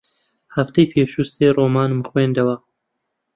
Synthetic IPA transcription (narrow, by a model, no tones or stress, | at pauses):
hɐft̪ɐjpʰeːʃuːseːroːmɑːnmɨxweːnd̪ɐwɐ